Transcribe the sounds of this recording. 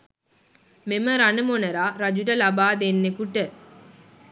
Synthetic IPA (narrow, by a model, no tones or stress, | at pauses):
meməɾɐnəmonɐɾaːɾɐd͡ʒuɖɐlɐbaːd̪enːekuʈə